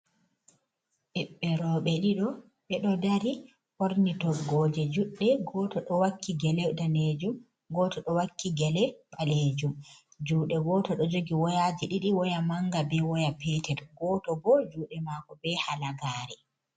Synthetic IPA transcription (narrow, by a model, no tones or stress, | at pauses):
ʔɛɓːɛɾɔɓɛɗiɗɔ | ɓɛɗɔdaɾi | ʔoɾnitɔɡɔd͡ʒɛd͡ʒuɗːɛɡɔtɔɗɔwakʰːiɡɛlɛdaned͡ʒum | ɡɔːtɔɗɔwakʰːiɡɛlɛɓaled͡ʒum | d͡ʒuːɗɛɡɔːtɔɗɔd͡ʒoɡiwɔjad͡ʒiɗiɗiwɔjamaŋɡabɛwɔjapɛtɛtɡɔtɔbɔd͡ʒuːɗɛmakɔbɛhalaɡaːɾɛ